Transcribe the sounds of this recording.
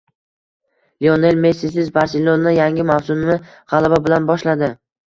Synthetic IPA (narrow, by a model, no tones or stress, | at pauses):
lione̞lme̞sisɪzbaɾselːonːɪjaŋʲɪmawsʊnnɪ | ʁɑlˠababɪlanbɒʃlad̪ɪ